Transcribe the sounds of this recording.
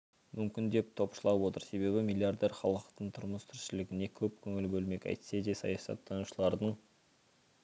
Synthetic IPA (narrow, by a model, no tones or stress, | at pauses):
mʏmkʲɪnd̪e̞p̚t̪ʰo̞pʃəlˠɑwo̞t̪əɾse̞βe̞βɪmʲilʲˠijard̪e̞rχɑlˠəqt̪əɴt̪ʰʊɾməst̪ʰʏɾʃɪlɪɡʲɪne̞kʲʰɵp̚kʲʰɵŋɪlbɵlme̞kʲɑ̰jt̪sed̪e̞sɑ̰jɑsɑ̰t̪ʰːɑnuʃəlˠɑɾd̪əɴ